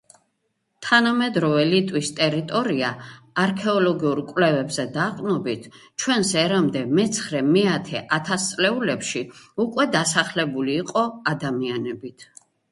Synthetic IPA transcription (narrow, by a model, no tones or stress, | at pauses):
t̪ʰanamɛd̪ɾɔvɛlit̪ʼwist̪ʼɛɾit̪ʼɔɾiaːɾkʰɛɔlɔɡiuɾkʼwlɛvɛbzɛd̪aqʼnɔbit̪ʰt͡ʃʰwɛnsɛɾamd̪ɛmɛt̪sʰχɾɛmɛat̪ʰɛʔat̪ʰast̪sʼlɛulɛpʃiukʼwɛd̪asaχlɛbuliːqʼɔad̪amianɛbit̪ʰ